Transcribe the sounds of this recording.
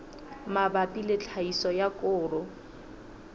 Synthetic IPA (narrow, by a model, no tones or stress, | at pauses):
mabapʼilɪt͡ɬʰaisɔjakʼʊːrʊ